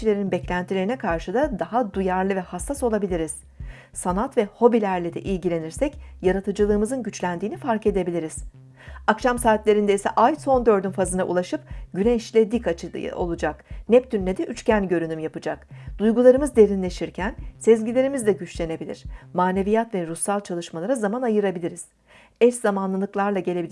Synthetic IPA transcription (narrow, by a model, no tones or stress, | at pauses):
ilʲe̞ɾinbɛclʲænt̪ʰilʲeɾinɛkʰaɾʃɯd̪ad̪aɦad̪ujaɾlˠɯvɛhasːaso̞lˠabilʲiɾiz̥ | sanat̪vɛho̞bilʲæɾlʲid̪ɛ̰ʔijɟilʲe̞niɾsɛcjaɾat̪ʰɯd͡ʒɯlˠɯːmɯzɯnɟyt͡ʃlʲænd̪iːnifaɾke̞d̪e̞bilʲiɾiz̥ | akʃamsaːt̪lʲe̞ɾind̪eisɛ̰ʔajso̞nd̪ø̞ɾd̪ynfazɯna̰ʔṵlˠaʃɯpɟynɛʃlʲɛd̪ikao̞̰lˠud͡ʒaknɛpt̪ynːed̪ɛʔyt͡ʃcænɟø̞ɾynymjapɯd͡ʒakd̪̥ujɡulˠaɾɯmɯzd̪e̞ɾinlʲe̞ʃiɾcʰænsɛzɟilʲe̞ɾimizd̪ʲɛɟyt͡ʃlʲe̞ne̞bilʲḭɾ̝̥maːne̞vijat̪vɛɾusːalˠt͡ʃʰalˠɯʃmalˠaɾazamanajɯɾabilʲiɾiz̥ | ɛszamanlˠɯlˠɯklˠaɾlˠaɟe̞lʲe̞bi